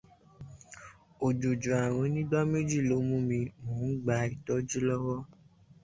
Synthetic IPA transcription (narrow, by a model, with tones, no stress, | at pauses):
o˨d͡ʒo˨d͡ʒu˨a˨ɾ̃ɔ̃˧˦nĩ˦da˦me˦d͡ʒi˦˨lo˨˦mũ˦mĩ˧mõː˨˦n̩˦ɡ͡ba˧˦i˨tɔ˦d͡ʒi˦lɔ˦wɔ˦